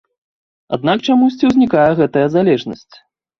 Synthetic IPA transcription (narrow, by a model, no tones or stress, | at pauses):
a̰d̪nak̚t͡ʂamusʲt͡sʲiwzʲnʲikajɛɣɛt̪ɐjɐzalʲɛʐnɐsʲt͡sʲ